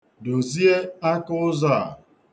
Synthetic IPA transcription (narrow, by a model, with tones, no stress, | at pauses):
do˨zi˦e˦a˦kʊ˦ʊ˦za˦˨